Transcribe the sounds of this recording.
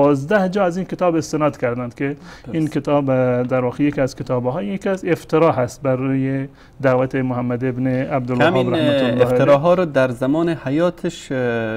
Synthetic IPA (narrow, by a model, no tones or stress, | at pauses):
ɔzd̪æhd͡ʒɒːæzinket̪ɒːbest̪enɑd̪kʰʲæɾd̪ænd̪kʰeinket̪ʰɑːbd̪æɾvɒːqejekiæzket̪ʰɒːbɦɒjjekiæzeft̪ʰeɾɒːɦæst̪̚bæɾuje | d̪awæt̪ʰemʊɦæmːad̪ebneabd̪ʊlːmɑɾæhmæʊlɔh̪eɾɔɦɒːɾɔd̪æɾzamɔːnehajɔːt̪ʰeʃ